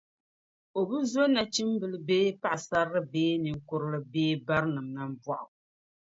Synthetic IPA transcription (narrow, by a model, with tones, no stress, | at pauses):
o˨bɨ˦zo˦na˨t͡ʃi˦m˦bɨ˨lɨ˨beː˦pa˦ʔsa˦ɾɨ˦beː˦nɨ˨ŋ˦kʊ˦ɾɨ˦lɨ˦beː˦ba˦ɾnɨ˨mnɨ˦m˦bɔ˦ʔʊ˨